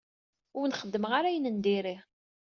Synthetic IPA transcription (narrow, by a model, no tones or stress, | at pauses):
ʊɾnχəd̪ːəmʁaɾæjnənd̪iɾi